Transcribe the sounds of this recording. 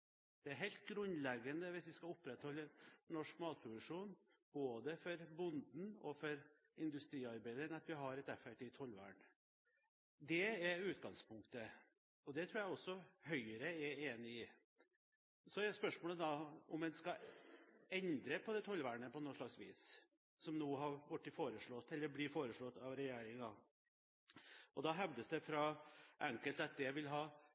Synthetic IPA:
d̪̥ɛæɾɦɛlt̪̚ɡɾʉnlɛɡːənəʋɪsʋɪskɑʊpːɾɛt̪hɔlːənɔʂkmɑːt̪̚pʰɾʊd̪ʉʂuːn | b̥oːd̪əfɔɾbʊnd̪n̩ɔ̰fɔɾ | ɪnd̪ʉst̪ɾiːɑɾbæɪd̪əɾnɑt̪ʋɪɦɑɾɛt̪ɛfɛkʈ̪ɪt̪ʰɔlʋæ̰ːɳ | d̪ɛæʉːt̪ɡɑŋspʰʊŋkt̪ə | ɔd̪ɛt̪ʰɾuːjæɔsːɔhœʏəɾəɛeːnɪɪ | sɔɛɾspœʂmoːləd̪ɑɔmɛnskɑ | ɛnd̪ɾəpʰɔd̪ɛt̪ʰɔlʋæːɳəpɔnoːʂɭɑksʋiːs | sɔmnuːɦɑɾʋʊʈːɪfoːɾəʂɭɔt̪ːɛlːəɾblɪfoːɾəʂɭɔt̪ːɑʋɾɛjeːɾɪŋɑ | ʔɔd̪ɑɦɛʋd̪əsd̪ɛfɾɑʔɛŋkəlt̪ɑt̪̚d̪ɛʋɪlɦɑː

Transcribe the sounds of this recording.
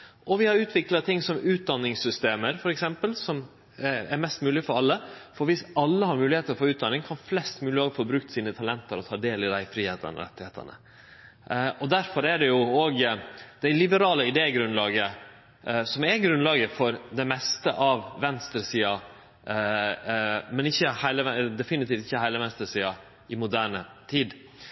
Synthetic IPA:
ʔɔʋɪhɑɾʉːt̪ʰʋɪklɑt̪ʰɪŋːsɔmʉːt̪̚d̪ɑnːɪŋsʏst̪eːməɾfɔɾɛksɛmpəlsɔm | æɾmɛst̪mʉːlɪəfɔɾɑlːəfɔɾʋɪsɑlːəhɑɾmʉːlɪheːt̪əɾɔfoːʉːt̪d̪ɑnːɪŋkʰɑnflɛst̪mʉːlɪhɑːɡfoːbɾʉk̚t̪siːnət̪ʰɑlɛnt̪əɾɔt̪ʰɑːd̪eːlɪd̪æɪfɾiːheːt̪ə̰nə̰ɾɛ̰t̪ːɪheːt̪ʰə̰ɳə̰ | ɔd̪æɾfɔɾæɖɛjʊoːɡd̪̥æɪlɪbəɾɑːləɪd̪eːɡɾʉnlɑːɡə | sɔmɛɾɡɾʉnlɑːɡəfɔɾd̪ɛmɛst̪əʔɑʋʋɛnst̪ɾəsiːɑ | mɛnɪçːəhæɪləʋɛd̪ɛfɪnɪt̪iːft̪ɪçːəhæɪləʋɛnst̪ɾəsiːɑ | ɪmʊd̪æːɳət̪ʰiːd̪

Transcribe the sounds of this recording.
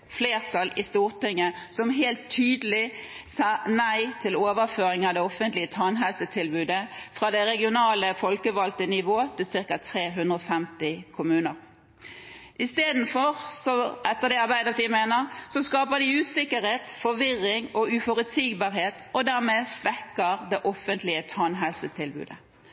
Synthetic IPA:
fleːʁt̪ʰɑlɪst̪uːʁt̪ɪŋːə | sɔmɦeːlt̪ʰːyːd̪əlɪ | sɑːnæɪt̪ʰɪloːʋəɾføːɾɪŋɑd̪ɛɔfənt̪lɪət̪ʰɑnɦɛlsət̪ʰɪlbʉːd̪əfɾɑd̪ɛʁɛɡɪʊnɑːləfɔlkəʋɑlt̪ənɪʋoːət̪ʰɪlsɪʁkɑt̪ʰʁeːɦʉnd̪ɾəɔfɛmt̪ɪkʰʊmʉːnəʁ | ʔɪst̪eːd̪n̩fɔʁsɔʔɛt̪ːəʁd̪ɛɑɾbæɪd̪əft̪ɪmeːnəʁsɔskɑːpəd̪ɪʉːsɪkːəɾheːt̪fɔʋɪʁːɪŋɔʉfɔɾʉt̪siːɡbɑːɾɦeːt̪ɔd̪æʁmeːsʋɛkːəʁd̪ɛʔɔfənt̪lɪət̪ʰɑnɦɛlsət̪ʰɪlbʉ̰ːd̪ə

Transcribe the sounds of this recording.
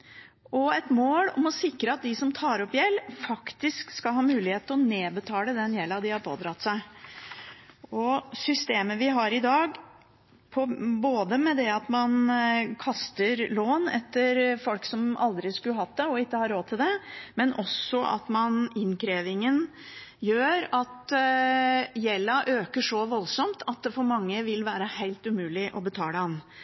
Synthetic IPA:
ʔɔɛt̪moːlɔ̰mɔsɪkɾəɑt̪̚d̪ɪsɔmt̪ʰɑːɾɔpːjɛlːfɑkt̪ɪskskɑlhɑːmʉːlɪheːt̪ʰːlɔneːbət̪ʰɑːləd̪ɛnjɛlːɑd̪ɪhɑɾpʰo̰ːd̪ɾɑt̪ːsæɪ | ɔsʏst̪eːməʋɪɦɑɾɪd̪ɑːɡ | pʰɔboːd̪əmɛd̪ɛɑt̪mɑnkʰɑst̪əɾloːnɛ̰t̪ːəɾfɔlksɔmɑ̰ld̪ɾɪskʉlɦɑt̪̚d̪ɛɔɪkːəhɑɾːoːt̪ʰɪld̪ɛmɛnʔɔsɔʔɑ̰t̪mɑnɪnkʰɾeːʋɪŋən | jøːɾɑt̪ | jɛlːɑʔøːkəʂɔʋɔlsɔmt̪ʰɑt̪̚d̪ɛfɔɾmɑŋːəʋɪlʋæːɾəhæɪlt̪ʉmʉːlɪʔɔbət̪ʰɑːlɛɑnː

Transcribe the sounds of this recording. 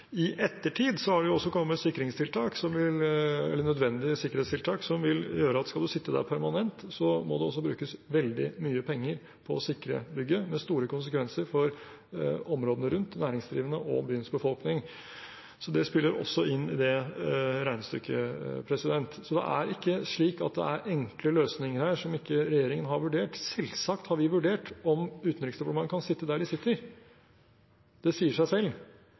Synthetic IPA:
ɪʔɛt̪ːəʈʰiːd̪sɔhɑɖɛjʊɔsːɔkʰɔmːət̪sɪkːəɾɪŋst̪ʰɪlt̪ʰɑːksɔmʋɪlɛ̰lːəɳœd̪ʋɛnd̪ɪəsɪkːəɾhet̪st̪ʰɪlt̪ʰɑːksɔmʋɪljøːɾəɑt̪skɑld̪ʉsɪt̪ːəd̪æ̰ɾpʰæɾmɑnɛnt̪sɔmɔ̰d̪ɛɔs̬ːɔbɾʉːkəsʋɛld̪ɪmyːəpʰɛŋːəɾ | pʰɔsɪkɾə̰bʏɡːəmɛst̪uːɾəkʊns̬əkʋɛnsəɾfɔɾ | ɔmɾoːd̪ənəɾʉnt̪næːɾɪŋsd̪ɾiːʋənəʔɔ̰byːənsbəfɔlknɪŋ | sɔd̪ɛspɪlːəɾɔ̰sːɔʔɪnːɪd̪ɛ | ɾæɪnst̪ʏkːə̰pʰɾɛsɪd̪ɛnt̪sɔd̪ɛ̰ʔæ̰ɾɪkːəʂɭiːkɑt̪̚d̪ɛ̰æɾɛŋkləløːsnɪŋəɾhæːʂɔmɪkːəɾɛjeːɾɪŋənɦɑɾʋʉɖeːʈsɛlsɑkt̪hɑɾʋɪʋʉɖeːʈɔmʉːt̪n̩ɾɪksd̪ɛpːmɑŋkʰɑnsɪt̪ːəd̪æːɖɪsɪt̪ʰːəɾ | d̪̥ɛsiːəʂæɪsɛlː

